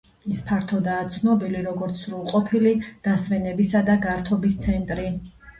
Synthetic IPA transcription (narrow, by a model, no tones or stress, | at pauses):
ispʰaɾt̪ʰɔd̪aːt̪sʰnɔbiliɾɔɡɔɾt̪sʰɾulˠqʼɔpʰilid̪̥asmɛnɛbisad̪aɡaɾt̪ʰɔbist̪sʰɛnt̪ʼɾi